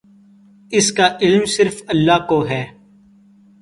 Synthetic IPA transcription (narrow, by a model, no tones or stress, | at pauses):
ɪskaːʔɪlmsɪɾfəlːaːkoːɦɛː